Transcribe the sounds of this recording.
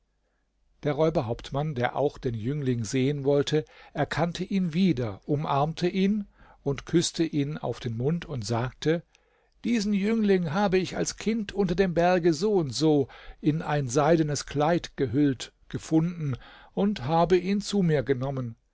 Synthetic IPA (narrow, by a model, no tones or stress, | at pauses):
d̥eːɐʁɔʏbɐɦaʊp̚tmandeːɐʔa̰ʊxd̥eːnjʏŋlɪŋzeːənvɔltʰəʔɛɐkʰantʰəʔiːnviːdɐʔʊmʔaɐmtʰəʔiːnʔʊntkʰʏstəʔiːna̰ʊfd̥eːnmʊntʰʊntz̥aːktʰə | d̥iːzn̩jʏŋlɪŋɦaːbəɪça̰lskʰɪntʰʔʊntɐdeːmbɛɐɡəzoːʊntz̥oːʔɪnaɪnzaɪdənəskl̥aɪtɡ̥əɦʏltɡ̥əfʊndn̩ʔʊnthaːbəʔiːnt͡suːmiːɐɡənɔmən